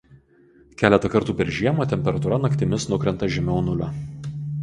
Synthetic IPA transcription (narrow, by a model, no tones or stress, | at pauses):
kʲæːlʲɛt̪ɐkɐɾt̪uːpʲɛɾʒʲiɛmoːt̪ʲɛmʲpʲɛɾɐt̪uɾɐnɐkt̪ʲɪmʲɪsnʊkɾʲɛnt̪ɐʒʲɛmʲɛʊnʊlʲo